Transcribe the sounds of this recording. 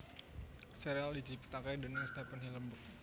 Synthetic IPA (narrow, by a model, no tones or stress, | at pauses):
sɛɾealid͡ʒipt̪akajdonəst̪ɛpənhiləmbʊk̪̚